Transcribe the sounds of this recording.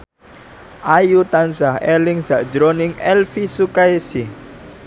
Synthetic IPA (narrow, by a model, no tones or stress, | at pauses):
ʔajut̪ansahɛlɪŋz̥aʔd̥d͡ʒɾonɪŋɛlfisukaesi